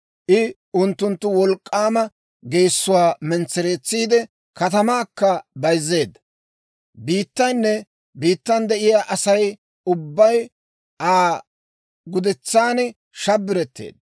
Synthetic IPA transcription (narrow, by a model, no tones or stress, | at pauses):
ʔɪ | ʔʊnt̪ːʊnt̪ːʊwɔlkʼːaːmɐ | ɡejsːʊwaːmɛnt͡sːɛɾeːt͡sːiːd̪ɛ | kɐt̪ɐmaːkːɐbɐjzːe̞ːd̪ɐ | biːt̪ːɐjnːɛ | biːt̪ːɐnd̪ɛʔɪjaːʔɐsɐj | ʊbːɐj | ʔaː | ɡʊd̪ɛt͡sːaːnɪ | ʃɐbːɪɾɛt̪ːḛːd̪̚ɐ